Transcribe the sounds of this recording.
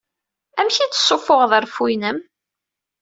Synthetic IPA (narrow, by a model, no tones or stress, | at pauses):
æmçit͡sːə̥sˤːofʊʁðəɾfujnəm